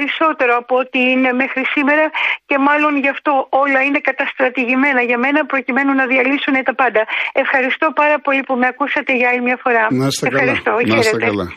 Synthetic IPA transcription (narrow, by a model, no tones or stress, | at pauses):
ɾiso̞t̪e̞ɾo̞ɐpot̪iine̞me̞xɾisime̞ɾɐce̞mɐlo̞nʝɐft̪o̞o̞lɐine̞kɐt̪ɐst̪ɾɐt̪iʝime̞nɐʝɐme̞nɐpɾo̞cime̞nunɐðiɐlisunet̪ɐpɐnd̪ɐe̞fxɐɾist̪o̞pɐɾɐpo̞lipume̞ɐkusɐt̪e̞ʝɐɐlimɲɐfo̞ɾɐefxɐɾist̪o̞çeɾe̞t̪e̞